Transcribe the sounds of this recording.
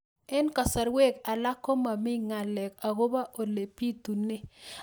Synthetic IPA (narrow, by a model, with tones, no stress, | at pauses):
ɛ˦nka˨sa˨ɾwe˦˨ka˨la˦ko˦ma˨mɪ˦ŋa˨lɛ˨ka˨ɣo˦ba˦ʔo˨le˨pi˦t̪u˨nɪ˦